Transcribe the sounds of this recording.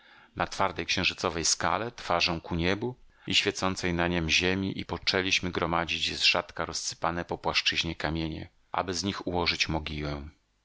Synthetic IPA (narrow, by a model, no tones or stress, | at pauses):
nat̪faɾd̪ɛjkɕɛ̃w̃ʐɘt̪sɔvɛjska̰lɛt̪faʐɔ̃w̃kuɲɛbu | iɕfʲjɛt̪sɔnt̪sɛjnaɲɛmʑemʲiʔipɔt͡ʂɛlʲiɕmɘɡɾɔmad͡ʑit͡ɕzʐ̥at̪kaɾɔsːɘ̥panɛpɔpwaʂt͡ʂɘʑɲɛkamʲjeɲɛ̰ | ʔa̰bɘzɲixuwɔʐɘt͡ɕmɔɡʲiwɛ̃